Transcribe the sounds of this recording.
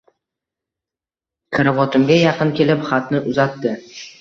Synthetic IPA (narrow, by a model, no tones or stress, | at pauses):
kʰaɾavɒt̪ʰɪmɡʲajɑqɨnkʲe̞lɪpχat̪nɪʔʊzat̪ːɪ